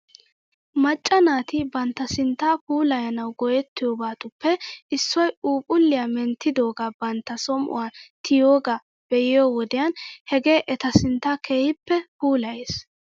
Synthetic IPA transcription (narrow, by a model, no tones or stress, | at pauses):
mɐt͡ʃʼːɐnaːt̪ɪbɐnt̪ːɐsɪnt̪ːaːpuːlɐjɐnɐwɡɔjɛt̪ːɪjoːbaːt̪ʊpːɛʔɪsːɔjuːpʼʊlːɪjamɛnt̪ːɪd̪o̞ːɡaːbɐnt̪ːɐsɔmʔʊ̰waːt̪ʰɪjoːɡa | b̥ɛjɪjoːwɔd̪ɪjɐnhɛɡe̞ːʔɛt̪ɐsɪnt̪ːaːke̞ːhɪpːɛpuːlɐjeːs